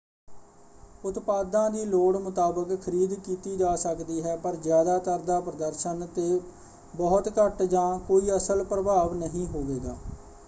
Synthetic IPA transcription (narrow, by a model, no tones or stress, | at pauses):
ʊt̪paːd̪ãːd̪iːloːɽmʊt̪aːbəkʰːəɾiːd̪kiːt̪iːd͡ʒaːsəkd̪iːɦɛːpəɾzɪjaːd̪aːt̪əɾd̪aːpɾəd̪əɾʃənt̪eː | bɔːʊt̪kəʈd͡ʒãːkoːiːəsəlpɾəbaːʋnəɦĩːɦoːʋeːɡaː